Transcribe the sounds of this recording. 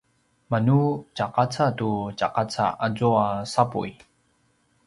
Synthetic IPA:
manut͡ʃaqat͡satut͡ʃaqat͡sa̰ad͡zoasapṵj

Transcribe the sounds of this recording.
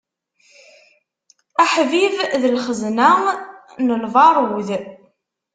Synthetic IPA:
æħvivðəlχəzna | nəlvɑɾˤuð

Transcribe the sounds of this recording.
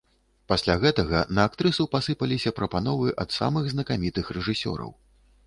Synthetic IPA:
pasʲlʲaɣɛt̪ɐɣɐnɐːk̚t̪ɾɨsupasɨpɐlʲisʲɐpɾɐpanɔvɨʔɐt̪sa̰mɨɣznɐkamʲit̪ɨxrɛʐɨsʲɔ̰ɾɐ̰w

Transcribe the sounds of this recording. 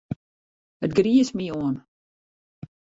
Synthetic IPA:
ətɡriəsmioən

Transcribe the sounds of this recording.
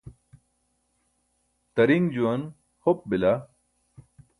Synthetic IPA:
t̪ɐɾiŋd͡ʑuɐn | hop̚bila

